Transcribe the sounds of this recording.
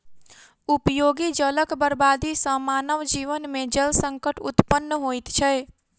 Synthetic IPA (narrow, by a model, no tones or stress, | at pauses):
upjoːɡid͡ʒələkbəɾbaːd̪isə̃maːnəʋd͡ʒiːʋənmẽd͡ʒəlsəŋkəʈṵt̪pənːəɦojt̪t͡ʃʰɛ